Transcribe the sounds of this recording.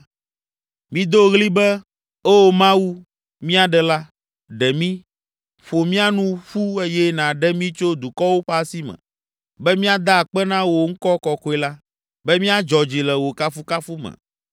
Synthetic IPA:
mĩ˦d̪o˦ɣli˦bɛ˦ | o˦˨mã˦wu˦ | mĩ˦a˨ɖɛ˨la˦ | ɖɛ˨mĩ˦ | ɸo˨mĩ˦a˦nũ˦ɸu˦e˦jɛ˦nã˨ɖɛ˦mĩ˦t͡ʃo˦d̪u˨kɔ˦wo˦ɸa˦si˦mɛ̰̃˨ | bɛ˦mĩ˦a˦d̪a˦˨k͡pɛ˦nã˦wo˨ŋ̩˦kɔ˦kɔ˨ko˦ɛ˨la˦ | bɛ˦mĩ˦a˦d͡ʒɔ˨d͡ʒi˨lɛ˨wo˨ka˦fu˦ka˦fu˦mɛ̰̃˨

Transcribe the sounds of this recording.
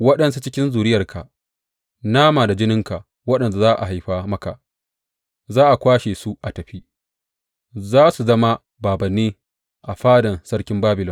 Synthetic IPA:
wɐ˦ɗɐ˨nsu˦t͡ʃɪ˦kʲɪ˦nzuː˨ɾɪ˦jɐ˨rkʰa̰˨ʔ | naː˦maː˨da˨d͡ʒɪ˦nɪ˦ŋka˨ʔ | wɐ˦ɗɐ˨nda˨zaː˦ʔa̰˨ha˨jɸaː˦mɐ˦ka̰˨ | zaː˦ʔa˨kʷaː˦ʃeː˨su˦ʔa˨tɐ˨ɸi˦ | zaː˦su˨zɐ˦ma˦ | baː˨bɐ˨nːeː˦ | ʔa˨ɸaː˦dɐ˨nsɐ˦rkʲɪ˦mbaː˦bɪ˨lɪ˦

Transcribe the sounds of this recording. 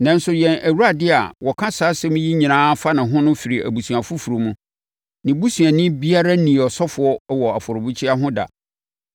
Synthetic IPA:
nã˦n˦sʊ˨jɛ̃˨nʔæ˨wu˦a˨dɪ˦a̰˨wɔ˨kʰã˦saː˨˦sɛ˦mĩ˦ji˦ɲĩ˨nãː˦fa˦nʊ̃˨ɦʊ̃˦nʊ̃˦fi˨ɾi˨ʔæ̰˨bu˨sũ˨a˨fu˦fu˨ɾo˨mũ˦ | nɪ̃˨bu˦sũ˨ã˨nĩ˦bi˦a˦ɾa˦nĩ˨ɔ˨sɔ˦fʊ˨˦ɔ˦wɔ˨a˨fɔ˨ɾʊ˨bu˦t͡ɕʰi˦a˦ɦʊ̃˦da̰˨

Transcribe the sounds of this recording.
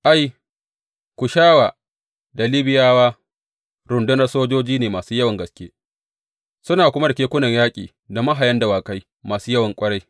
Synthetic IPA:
ʔa˦j | kʷʊ˨ʃaː˦waː˨ | da˨li˦bɪ˦jaː˦waː˦ | ɾʊ˨ndʊ˦nɐ˦soː˦d͡ʒoː˦d͡ʒiː˦neː˨maː˨suː˦jɐ˦wɐ˨ŋɡɐ˨skʲḛː˦ | sʊ˦naː˨kʷʊ˦ma˦da˨kʲeː˦kʷʊ˦nɐ˨ɲjaː˦kʲʼiː˨ | da˨ma˦ɦa˨jɐ˦nda˨waː˨ka˦j | maː˨suː˦jɐ˦wɐ˨ŋkʷʼɐ˦ɽa˦j

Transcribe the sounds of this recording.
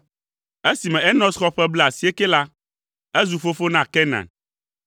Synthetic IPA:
e˦si˨mɛ̃˨ɛ˦nɔ̃˦sxɔ˦ɸɛ˦ble˦a˨si˨˦e˦ke˦la˦ | e˦zu˨fo˦fo˦nã˨kɛ˦nã̰˨

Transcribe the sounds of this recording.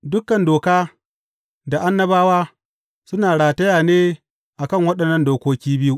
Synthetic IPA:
dʊ˦kːɐ˨ndoː˨kaː˦ | da˨ʔa˦nːɐ˦baː˦waː˦ | sʊ˦naː˨ɽaː˨tɐ˦jaː˨neː˦ | ʔa˨kɐ˦˨ŋwɐ˦ɗɐ˨nːɐ˦ndoː˨kʷoː˦kʲiː˦bɪ˦ju˦ʔ

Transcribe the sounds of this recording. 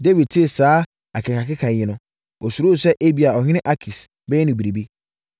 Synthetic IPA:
de˦vi˨d̚tʰɪ˦˨saː˨˦ | a˨kʰɪ˨kʰa˨kʰɪ˦kʰa˨ɲɪ̃˦nʊ̃˦ | ɔ˨su˨ɾo˦˨sɛ˦ʔe˦bi˨a˨ɔ˨ɲɪ̃˦ɪ̃˦ʔa˦kʰi˨s | bɛ˦jɛ˦nʊ̃˨bi˨ɾi˨bi˦

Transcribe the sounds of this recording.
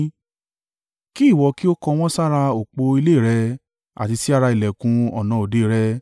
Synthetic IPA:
ki˦i˦˨wɔ˨˧ki˦o˦kɔ˧w̃ɔ̃˦sa˦ɾa˧o˨k͡po˧i˧le˦˨ɾɛ˧ | a̰˨ti˧si˦a˦˧ɾa˧i˨lɛ˨kũ˧ɔ̰˨nã˨o˨de˨˦˨ɾɛ˧˦

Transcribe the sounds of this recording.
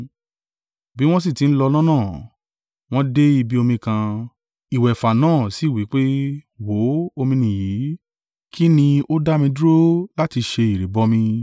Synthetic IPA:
bi˦w̃ɔ̃˦s̬i˦˨ti˨˦n̩˦lɔ˧lã˦nãː˦˨ | w̃ɔ̃˦de˦i˧bi˦o˧mĩ˧kã˧ | i˨wɛ˨fa˨nãː˦˨si˨˦˨wi˨˦k͡pe˦wo˨˦o˧mĩ˧nĩ˨ji˨˦ | ki˦nĩ˧o˦da˦mĩ˧du˦ɾo˦la˦ti˧ʃe˧i˨ɾe˨bɔ˧˦mĩ˧

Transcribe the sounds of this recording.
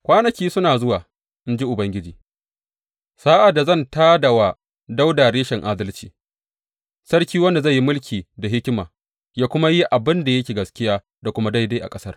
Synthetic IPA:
kʷaː˦nɐ˨kʲiː˦sʊ˦naː˨zʊ˦waː˨ | ʔɪ˦nd͡ʒi˦ʔʊ˨bɐ˦ŋɡʲɪ˦d͡ʒiː˦ | saː˦ʔa˨da˨zɐ˦˨ntaː˦dɐ˨wa˨ | da˦wda˨ɽeː˦ʃɛ˨ŋʔaː˦dɐ˦lt͡ʃḭː˨ | sɐ˦ɽkʲiː˦wɐ˦nda˨za˦˨jːi˦mʊ˦lkʲiː˨da˨ɦɪ˦kʲmaː˨ | jaː˦kʷʊ˦ma˦ji˦ʔa˨bɪ˦nda˨jɐ˦kʲeː˨ɡɐ˨skʲɪ˦jaː˦ | da˨kʷʊ˦ma˦da˦jda˦ʔa̰˨kʼɐ˦sɐ˦r

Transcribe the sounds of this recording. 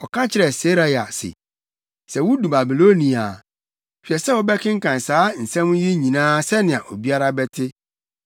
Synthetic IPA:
ɔ˨kʰã˦t͡ɕʰɪ˦ɾɛ˨se˦ɾa˨ja˨sɪ̰˨ | sɛ˨wʊ˦du˨ba˨bi˨lo˦nĩ˨a˨ | fi˨ɛ˨sɛ˦wɔ˦bɛ˦kʰɪ̃˦ŋ̩˦kã˨n˨saː˦n̩˨sɛ̃˦mʊ̃˦ji˦ɲĩ˨nãː˦sɛ˦nɪ̃˨ã˨ʔo˨bi˦a˦ɾa˦bɛ˦tʰɪ˦

